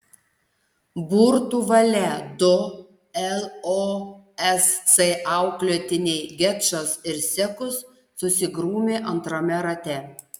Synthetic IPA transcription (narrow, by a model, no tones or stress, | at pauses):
buːɾt̪uːʋɐlʲɛd̪ʊ | ɛlˠoː | ɛst̪sɛʔɑˑʊklʲuːt̪ʲɪnʲeɪɡʲɛtʃosɪɾsʲɛkʊsː | ʊsʲɪɡɾuːmʲeːʔɐnt̪ɾoːmʲɛɾɐt̪ʲɛ